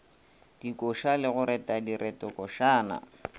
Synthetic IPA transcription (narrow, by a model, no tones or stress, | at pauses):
d̥ikʼɔʃalɪɣʊɾɛtʼadiɾʔɛtʼɔkʼɔʃaːna̰